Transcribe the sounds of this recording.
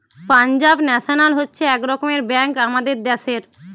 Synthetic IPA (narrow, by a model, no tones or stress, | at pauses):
pand͡ʑabnɛʃonalɦotːɕʰeɛkɾɔkomeɾbɛŋkamad̪eɾd̪ɛʃeɾ